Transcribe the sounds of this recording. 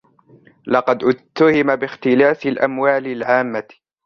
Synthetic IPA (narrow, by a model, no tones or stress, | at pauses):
lɑqɑd̪ʔʊt̪ːahɪmabɪxt̪ɪlaːθɪlʔa̰mwaːlɪlʕaːmːa